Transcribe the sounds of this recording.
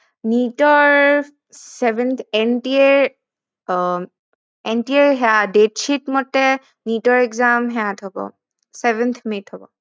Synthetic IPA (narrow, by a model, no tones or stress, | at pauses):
nitɔɹ | sɛbɛnt̪ʰɛntieɹ | ɛntieɹɦɛadetʃitmɔtɛ | nitɔɹɛkzamɦɛatʰɔbɔ̰ | sɛbɛnt̪ʰmethɔbɔ̰